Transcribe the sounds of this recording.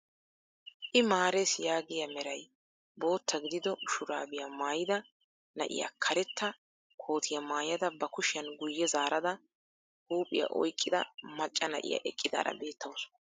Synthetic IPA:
ʔɪmaːɾesjaːɡɪjɐmɛɾɐj | bo̞ːt̪ʰːɐɡɪd̪ɪd̪ɔʊʃʊɾaːbɪjamaːjɪd̪ɐ | nɐ̰ʔɪ̰ja̰kʰɐɾɛt̪ʰːɐ | kʰo̞ːt̪ʰɪjɐmaːjɐd̪ɐbɐkʊʃɪjɐnɡʊjːɛzaːɾɐd̪ɐ | huːpʼɪ̰jɐ̰ʔɔ̰jkʼːɪd̪ɐ̰mɐt͡ʃʼːɐnɐ̰ʔɪ̰jɐ̰ʔɛkʼːɪd̪a̰ːɾɐ̰be̞ːt̪ʰːɐws

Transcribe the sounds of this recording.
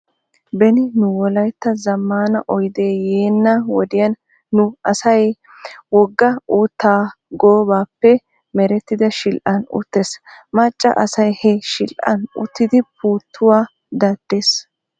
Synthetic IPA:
bɛnɪnʊwɔlɐjt̪ːɐzɐmːaːnɐʔɔjd̪e̞ːjeːnːɐwɔd̪ɪjɐnː | ʊɐsɐj | wɔɡːɐuːt̪ːaːɡoːbaːpːɛ | mɛɾɛt̪ːɪd̪ɐʃɪlʔɐnʊ̰t̪ːe̞ːsmɐt͡ʃʼːɐ̰ʔɐsɐjhɛʃɪlʔɐ̰nʊ̰t̪ːɪd̪ɪpʰuːt̪ʰːʊwaː | d̪ɐd̪̥ːe̞ːs

